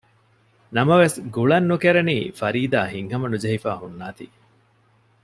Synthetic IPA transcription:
nɐmɐʋesɡuɭɐnːukeɾeniːfɐɾiːd̪aːɦiŋɦɐmɐnud͡ʒɐɦifa̰ːɦunːaːt̪ḭ

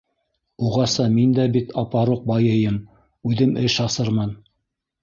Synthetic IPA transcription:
uʁɑsɑmind̪æbit̪ʰɑpɑɾuq̚bɑjɤ̆jɤm | ʉðɘmʔɘʃɑsɤɾmɑn

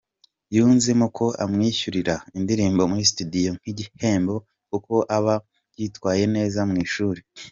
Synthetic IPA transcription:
juːnzemukʰo̞a̰mŋiːçuɾiɾaindiɾiːmbo̞muɾisi̥tudijo̞ŋ̥iɟihe̞ːmbo̞ | kuko̞ʔaβa | jitkwaːje̞ne̞ːzamŋiːʃuːɾe

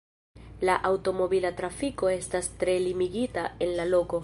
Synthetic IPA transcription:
laʔawto̞mo̞bilatɾafiko̞e̞stastɾe̞limiɡitae̞nlalo̞ko̞

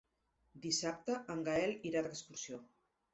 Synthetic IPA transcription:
d̪isap̚t̪əʔəŋɡaɛliɾaðəkskuɾsio

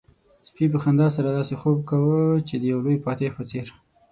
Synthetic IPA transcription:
spip̬əxand̪ɑs̬aɾad̪ɑsexob̚kawət͡ʃed̪əjawlojpɑt̪epət͡seɾ

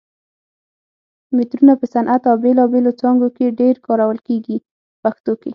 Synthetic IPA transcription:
met̪ɾunapəsanʔat̪awbelɑbelot͡sɑŋɡokeɖeɾkɑɾawəlkeɡi | paxt̪oke

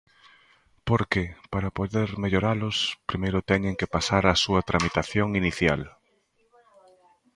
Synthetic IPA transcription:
poɾkepaɾapoðeɾmeʎoɾalʊspɾimejɾʊt̪ɛɲeŋkepasaɾasuɐt̪ɾamit̪aθjoŋiniθja̰l

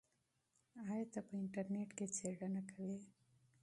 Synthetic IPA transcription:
ajat̪apəɪɳʈaɾneʈket͡seɽanakʰawe

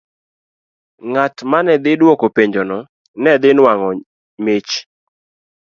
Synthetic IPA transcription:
ŋatmanɛd̪ɪdwokopeɲd͡ʒɔnɔ | nɛd̪ɪnwaŋɔ | met͡ʃ

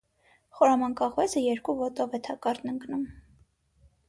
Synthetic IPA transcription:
χɔɾɑmɑnkɑʁvɛzəjɛɾkuvɔt̪ɔvɛt̪ʰɑkɑɾt̪nəŋknum

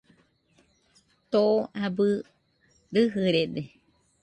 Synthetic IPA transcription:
t̪ooabɨ | ɾɨɦɨɾed̪e

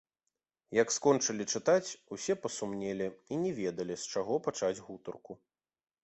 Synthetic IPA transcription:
jɐkskɔnt͡ʂɐlʲit͡ʂɨt̪at͡sʲusʲɛpɐsumnʲɛlʲiinʲɛvʲɛd̪ɐlʲist͡ʂaɣɔpat͡ʂad͡zʲɣut̪ɐrku

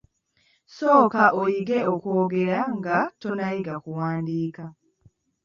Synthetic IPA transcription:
so̞ːkaʔojiɡe̞okoːɡe̞ɾaŋɡatonaiɡakuwaːndiːka

